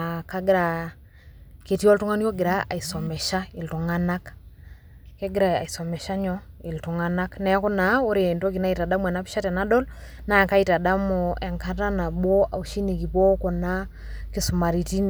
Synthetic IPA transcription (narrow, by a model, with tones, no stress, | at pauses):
ka˦ɡɪ˦ɾa˨ | ke˨ti˦ɔ˦ltu˦ŋa˦n˦ɔ˦ɡɪ˨ɾa˦a˨i˨sɔ˨mɛ˨ʃa˦ɪ˨ltu˨ŋa˦na˦k | ke˦ɡɪ˦ɾa˨a̰˨i˨sɔ˨mɛ˨ʃa˦ɲɔ˦ | i˨ltu˨ŋa˦na˦knɛ˨˦kɔ˦na˨o˦ɾe˨nto˦ki˨na˦i˨ta˨da˦mu˦ɛ˨na˦pi̥˦ʃa˦tɛ˨na˦dɔ˦lna˦˨ka˦ita˨da˦mɔ˨ɛ˨ŋka˦ta˦na˨bwɔ˦ʔa˨u˨ʃi˦ni˨ki˨pɔ˦kɔ˨na˦ | ki˨su˨ma˨ɾi˨ti˦n